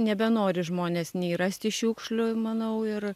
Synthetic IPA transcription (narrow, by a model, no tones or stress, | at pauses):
nʲɛbʲɛnoːɾʲɪʒmoːnʲeːsnʲɛɪirɐsʲt̪ʲɪʃʲuːkʃlʲʊmɐnɐʊɪr